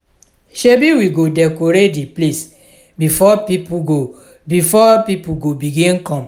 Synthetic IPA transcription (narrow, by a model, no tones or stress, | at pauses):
ʃebiwiɡodɛkoɾediples | bifɔpipuɡo | bifɔpipuɡobiɡĩnkɔ̃m